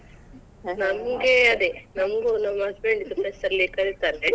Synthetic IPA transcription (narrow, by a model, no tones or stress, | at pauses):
nɐmɡeɐd̪enɐmɡunɐmːɐsbeːɳɖid̪upesɐɾlikɐɾit̪aːne